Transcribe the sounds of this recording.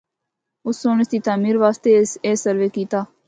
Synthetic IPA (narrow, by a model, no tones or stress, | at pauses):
ʊsːõːɳəsd̪iːt̪aːmiːɾʋaːst̪eːeːsəɾʋeːkiːt̪aː